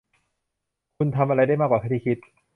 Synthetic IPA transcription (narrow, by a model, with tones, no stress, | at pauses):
kʰu˧nt̪ʰa˧mʔa˧ɾa˧jda˥˩jmaː˥˩kːwːkʰa˥˩t̪ʰiː˥˩kʰi˦˥t̪̚